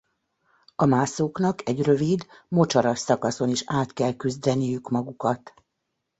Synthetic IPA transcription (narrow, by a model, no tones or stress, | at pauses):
ɒmaːsoːknɒkɛɟrø̞vid̪mo̞t͡ʃɒɾɒʃɒkɒso̞niʃaːt̪kɛlkyzd̪ɛnijykmɒɡukɒt̪